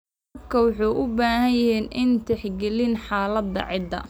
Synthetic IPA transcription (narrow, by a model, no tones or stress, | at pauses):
bkʰɐwɑħuːʔʊbaːhɐjɐhiːnɪnt̪ʰɛħɡɛlɪnħɑːlɐd̪ɐ̰ʕɪd̪ɐ̰